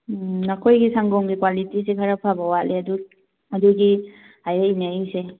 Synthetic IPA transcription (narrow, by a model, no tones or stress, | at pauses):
nakʰojɡisaŋɡɔŋɡikwalitisekʰaɾapʰabawaleɐdu | ɐduɡi | hajeinaise